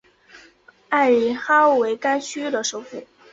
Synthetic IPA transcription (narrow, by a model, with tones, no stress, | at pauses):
a˥˩ɪɻi˧˥xa˥˩we˧˥ɪka˥nɕy˥d̪ə˨ʂo˥˧˥ʊfṵ˥˩